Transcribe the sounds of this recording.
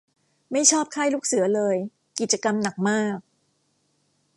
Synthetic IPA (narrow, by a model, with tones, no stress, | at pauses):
ma˥˩jt͡ɕʰɔː˥˩p̚kʰaː˥˩jluː˥˩k̚sɯ˩˦ɐlɤː˧j | ki˨˩t̪̚t͡ɕa˧ka˧mna˨˩k̚maː˥˩k̚